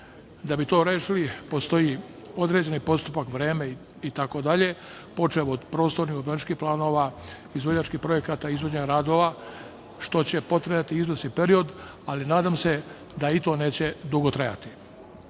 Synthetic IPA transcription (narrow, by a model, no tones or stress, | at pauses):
d̪abit̪o̞ːɾeːʃilipo̞st̪o̞i | o̞d̪ɾe̞ːd͡ʑe̞nipo̞st̪upakʋɾeːme | it̪ako̞d̪aʎe̞ | po̞t͡ʃemod̪pɾo̞ːst̪o̞ɾniod̪bɾanit͡ʃkihplˠaːno̞ːʋa | izʋod͡ʑat͡ʃkihpɾo̞je̞kat̪aizʋo̞d͡ʑeɲɾaːd̪o̞ʋa | ʃt̪o̞t͡ɕepo̞t̪ɾejat̪iizʋosnipe̞ɾio̞d̪ | alinaːd̪amse̞ | d̪ait̪o̞ːne̞ːt͡ɕe̞d̪uɡo̞t̪ɾaja̰t̪i